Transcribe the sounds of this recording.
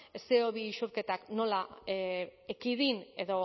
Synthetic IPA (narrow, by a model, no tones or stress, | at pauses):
eseoβiːʃuɾke̞t̪akno̞la | ekiðine̞ðo̞